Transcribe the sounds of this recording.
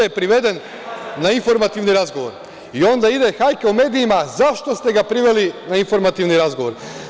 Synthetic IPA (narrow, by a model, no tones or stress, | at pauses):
epɾiʋe̞d̪e̞nː | ainfo̞ɾmat̪iʋniɾazɡo̞ʋo̞̰ɾ | io̞nd̪aid̪e̞xajkeume̞ːd̪iimazaʃt̪ost̪e̞ɡapɾiʋe̞linainfo̞ɾmat̪iʋniɾazɡo̞ʋo̞ɾ